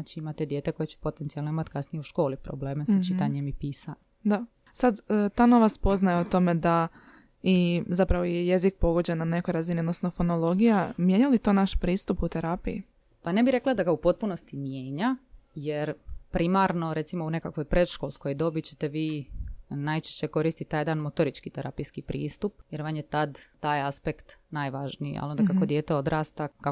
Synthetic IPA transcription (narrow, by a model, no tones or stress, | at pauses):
at͡ʃiimat̪ed̪je̞ːt̪eko̞jet͡ɕe̥pot̪ent̪sialnoimat̪kasnijeuʃko̞ːlipɾobleːmesat͡ʃit̪aɲemipiːsan | d̪a | sad̪t̪ano̞ʋat̪spo̞znajeot̪o̞me̞d̪a | izapɾaʋojeje̞zik̚po̞ɡo̞d͡ʑenane̞kojɾaziniod̪nosnofo̞no̞lˠo̞ɡijamje̞ɲalit̪o̞ːnaʃpɾiːst̪uput̪eɾapijḭ | pane̞biɾe̞klˠad̪aɡaupo̞t̪̚puno̞st̪imje̞ːɲaje̞ɾpɾimaɾno̞ɾe̞t̪simoune̞kakʋo̞jpɾe̞d̪ʃkolˠsko̞jd̪o̞bit͡ɕet̪e̞ʋiː | najt͡ʃe̥ʃt͡ɕe̞ko̞ɾiːst̪it̪ajed̪anmot̪o̞ɾit͡ʃkit̪eɾa̰pijskipɾḭːst̪upje̞ɾʋanjet̪ad̪ːaːjaspekt̪najʋaʒnijḭa̰lond̪akakod̪je̞ːt̪eo̞d̪ɾaːst̪aka